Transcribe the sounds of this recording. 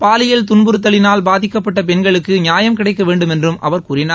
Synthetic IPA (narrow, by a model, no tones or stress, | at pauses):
paːlɪjɐlt̪̬ʊɳbɯɾɯt̪̬ːɐlɪnaːlbaːðɪkːɐpːɐʈːɐpɛnɡɐɭɯkːɯɲɪjaːjɐmkɪɽɐɪkːɐʋeːɳɖɯmɛndrɯmʔɐ̰ʋɐɾkuːɾɪnaːɾ